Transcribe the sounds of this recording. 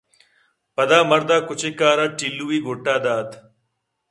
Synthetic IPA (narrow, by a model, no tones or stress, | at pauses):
pɐd̪aːmɐɾd̪aːkʊt͡ɕekaːɾaːʈilːuiːɡʱoʈːaːd̪aːt̪ʰ